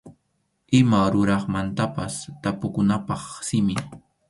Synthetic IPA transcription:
ɪmaɾʊɾɑχmant̪apast̪apʊkʊnapɑχsɪmɪ

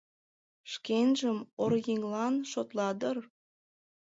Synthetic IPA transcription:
ʃkenʒəmorɣiŋlɑnʃot̪lɑd̪ər

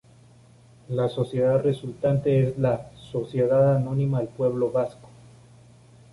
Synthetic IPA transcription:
laso̞sje̞ðaðre̞sult̪ant̪e̞ezlaso̞sje̞ðaðanõ̞nĩmaðelpwe̞βlo̞βasko̥

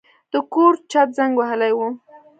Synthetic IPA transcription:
d̪̥əkoɾt͡ʃat̪̚zaŋɡwaɦəlajwu

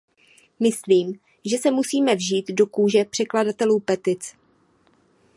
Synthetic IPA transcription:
mɪsliːm | ʒɛsɛmusiːmɛvʒiːt̪do̞kuːʒɛpr̝̥ɛkladat̪ɛluːpɛt̪ɪt͡s

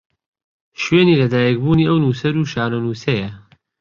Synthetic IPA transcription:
ʃweːniːlɐd̪aːjɛk̚buːniːʔɐwnuːsɐɾuːʃaːɾonuːsɐjɐ

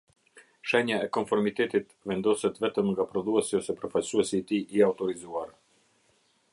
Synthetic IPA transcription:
ʃɛɲaɛkɔnfɔɾmit̪ɛt̪it̪vɛnd̪ɔsɛt̪vɛt̪əmŋɡapɾɔðuɛsiɔsɛpəɾfalsuɛsiːt̪iʔːaut̪ɔɾizuaɾ

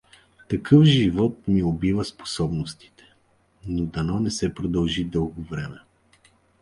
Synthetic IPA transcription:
t̪ɐkʰɤfʒivɔt̪̚miobivəspo̥sɔbnost̪i̥t̪ɛ̥ | nod̪ɐnɔnɛsɛpɾod̪ɐlˠʒid̪ɤlˠɡovɾɛmɛ

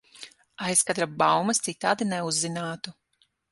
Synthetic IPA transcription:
ajskad̪ɾabawmɐst̪sit̪ːaːd̪inɛuzːinaːt̪u

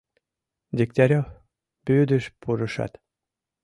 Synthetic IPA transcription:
d̪ʲik̚t̪ɑɾʲo | pyd̪ə̆ʃpuɾɤʃɑ̰t̪

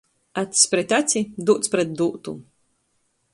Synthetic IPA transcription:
at̪sʲpɾɛt̪ʲat̪sʲid̪uːt̪spɾɛt̪̚d̪uːt̪u

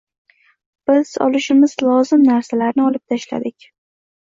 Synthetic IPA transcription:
b̥ɪz̥ɒ̰lˠɪʃɪmɪzlˠɒzɪmnaɾsalaɾnɪɒlˠɪp̚t̪ʰaʃla̰d̪ɪkʲ

